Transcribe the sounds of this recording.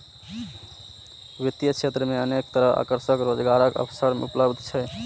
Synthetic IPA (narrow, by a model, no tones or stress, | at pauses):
ʋit̪jət͡ʃʰet̪ɾəmeənek̚t̪əɾəɦa̰kəɾsəkɾod͡ʒɡaɾəkə̰pʰsəɾmḛupləbd̪ʱt͡ʃʰɛ